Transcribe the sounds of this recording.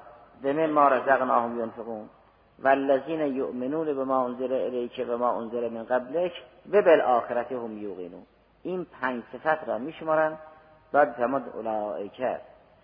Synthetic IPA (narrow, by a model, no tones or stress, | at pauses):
vemenmɑːɾazæɣnɑːhomjonfeɣuːn | vælːæziːnæjoʔmɪnuːnabemɑːʔonzɪɾeʔɪlejkʰevemɑːʔonzɪɾemɪnɡablekʰvebelʔɑːxeɾæt̪ʰehomjuːɣḭːnṵː | iːnpʰæɲd͡ʒsefæt̪ʰɾɒːmiːʃmɑːɾæn | b̥̪ɒd̪famod̪o̰lɑːekʰæ̰ɾ